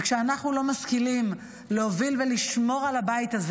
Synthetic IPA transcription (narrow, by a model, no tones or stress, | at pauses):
kʃeanaχnulo̞maskilim | lehovilveliʃmo̞ʁalabaitaz